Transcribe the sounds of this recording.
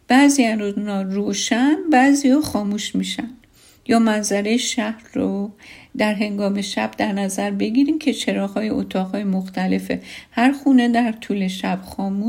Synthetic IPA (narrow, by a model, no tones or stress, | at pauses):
b̥æziæounɒːroːʃænbæːzijɒːxɒːmuːʃmiːʃænd̪ | jɒːmænzæɾe̞jeʃæhɾrod̪æɾɦe̞ŋɡɒːme̞ʃæb̥̚d̪æɾnæzæɾbe̞ɟiːɾimcʰe̞t͡ʃʰe̞ɾɒːhɒːjeʔo̰t̪ʰɒːɣhɒːjemoxt̪æle̞fe̞̰hæɾxuːne̞d̪æɾt̪ʰuːle̞ʃæb̥xɒːmuː